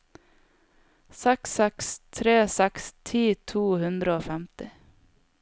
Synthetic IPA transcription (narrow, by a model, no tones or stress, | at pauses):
sɛksɛkst̪ʰɾeːsɛkst̪ʰiːt̪ʰuːhʉnd̪ɾəoːfɛmt̪ɪ